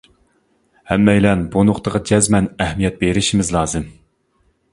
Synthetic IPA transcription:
hɛmːɛjlɛnbonʊqt̪əʁɑd͡ʒɛzmɛnɛhmijɛt̪̚beɾɪʃimɪzlˠɑːzɨm

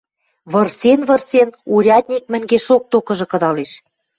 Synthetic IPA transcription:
βɤ̆rsenβɤ̆rsenuɾʲɑt̪ʲnʲik̚mɘ̆ŋɡeʃok̚t̪okɤ̆ʒɤ̆kɤ̆d̪ɑleʃ

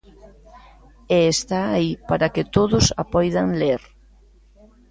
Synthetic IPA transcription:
eːst̪aːipaɾaket̪oðʊsapɔjðaŋleɾ

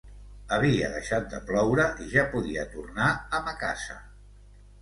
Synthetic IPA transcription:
əβiəðəʃat̪̚d̪əplɔwɾəʔiʒapuðiət̪urnaəməka̰zə̰

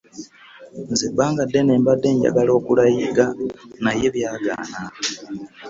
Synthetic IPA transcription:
nzebaːŋɡadːeneːmbadːe̞ːɲɟa̰ɡalo̞ːkulajiɡanaje̞βjaːɡa̰ːna

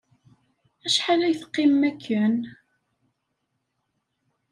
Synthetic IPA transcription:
æʃħalæjθə̥qːɪmːækʰːən

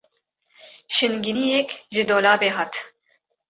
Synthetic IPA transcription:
ʃɨnɡinijɛkʒɨd̪oːlaːbeːɦɑːt̪

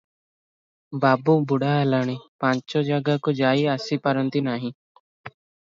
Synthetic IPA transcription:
baːbuːbʊɽaːlaːɽ̃ipãɲt͡ʃoːd͡ʒaɡakod͡ʒaːiəsipəɾənt̪inaːɦĩ

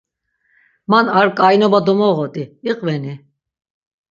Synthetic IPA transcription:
manaɾkʼajnɔbad̪ɔmɔʁɔt̪ʼiiqʼvɛni

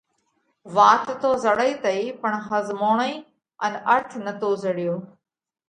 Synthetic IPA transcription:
ʋaːt̪t̪oːzəɽəiːt̪əiːpəɳ̃ɦəzmoːɳ̃əiː | ənəɾt̪ʰnət̪oːzəɽɪjoː

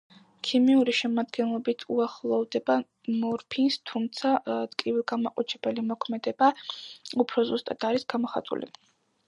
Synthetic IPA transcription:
kʰimiuɾiʃɛmad̪ɡɛnlˠɔbit̪ʰuaχlˠɔvd̪ɛba | mɔɾpʰinst̪ʰumt̪sʰat̪ʼkʼivilˠɡamaqʼɔt͡ʃʰɾɛbɛlimɔkʰmɛd̪ɛbaupʰɾɔzust̪ʼad̪̥aɾisɡamɔχa̰t̪ʼṵlḭ

